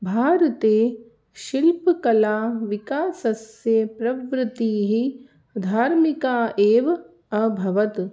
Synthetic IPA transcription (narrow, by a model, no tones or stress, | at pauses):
bʱaːɾɐt̪eː | ʃilpkɐlaːʋikaːsɐsjepɾɐʋɾɪt̪iːɦi | d̪ʱaːɾmikaːʔeːʋɐ | ɐbʱɐʋɐt̪